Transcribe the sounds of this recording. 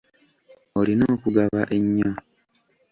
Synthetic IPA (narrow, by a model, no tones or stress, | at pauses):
olinoːkuɡaβaʔeɲːa